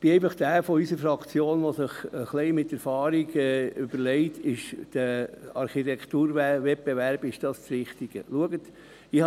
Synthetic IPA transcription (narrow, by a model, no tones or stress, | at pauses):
b̥ɪɛɪfɑχd̥æːfɔysəɾfɾɑkt͡sjoːnʋosɪχəχlɛɪmɪtːɛɾfɑːɾiɡɛʏb̥əɾlɛɪtʰɪʃd̥əɑɾχitɛkʰtuːɾʋɛp̚beʋæɾb̥ɪʃd̥ɑːst͡sɾɪχtiɡ̥ə̰luəɡət | ɪh